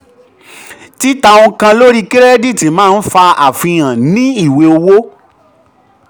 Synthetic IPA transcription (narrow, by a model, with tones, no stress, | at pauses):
ti˦ta˧wõ˧kã˧lo˦ɾi˦ki˦ɾɛ˦di˦˨ti˨mãː˦˧˦n̩˦fa˧a˨fĩ˧j̃ã˨nĩ˦i˦˨we˧o˧wo˦